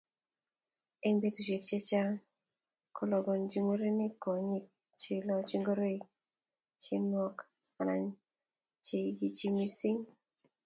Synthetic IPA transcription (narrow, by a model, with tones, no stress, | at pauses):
e˦ɲbe˦tu˨t͡ʃe˨k̚t͡ʃe˦t͡ʃa˦ | kʰɔ˨lɔ˨ɡɔ˨nd͡ʒi˦ŋo˦ɾe˦ni˦kɔ˨ɲi˦k̚ | t͡ʃe˦lɔ˦t͡ʃi˦ŋɡo˦ɾe˦i˨˦ | t͡ʃe˦nwɔ˦k | a˨na̰˨ɲ | t͡ʃe˨ɡi˦t͡ʃi˦mi˦si˦ŋ